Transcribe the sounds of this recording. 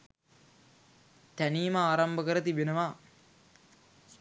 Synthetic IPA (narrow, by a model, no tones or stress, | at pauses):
t̪æniːməaːɾambəkəɾət̪ibenəʋa